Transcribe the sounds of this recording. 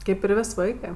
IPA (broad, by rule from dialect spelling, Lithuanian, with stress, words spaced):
ˈkɐɪp ɪr ˈʋʲeːsʲ ˈʋɐɪkɜ